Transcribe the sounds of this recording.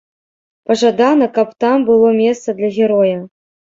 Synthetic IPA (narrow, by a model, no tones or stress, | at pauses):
pɐʐad̪anɐkapt̪ambɨlˠɔmʲest̪sɐd̪lʲɐɣʲɛɾɔjɐ